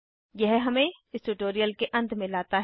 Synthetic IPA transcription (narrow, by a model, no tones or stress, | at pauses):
jɛɦɦɐmẽ | ɪsʈuʈoːɾijəlkeʔɐ̃nd̪mẽlaːt̪aɦ